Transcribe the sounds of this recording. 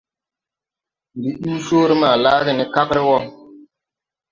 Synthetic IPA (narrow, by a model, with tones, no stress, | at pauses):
mbi˨ɗu˦soː˦ɾi˦ma˨laː˦ɡi˨nɛ˦ka˦kɾi˦wɔ˦